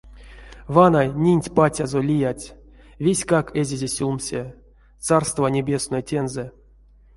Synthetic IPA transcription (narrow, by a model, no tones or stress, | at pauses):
vanajnʲinʲtʲpatʲazolʲijatʲ | vʲesʲkakezʲezʲesʲulˠmsʲe | t͡s̪arst̪vanʲebʲe̞snojtʲe̞nzɛ